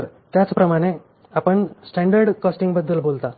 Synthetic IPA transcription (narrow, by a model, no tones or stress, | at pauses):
ɾt̪jat͡spɾəmaɽ̃e | apəɳsʈãɳɖəɾɖkɔsʈĩŋɡbəd̪ːəlbolt̪a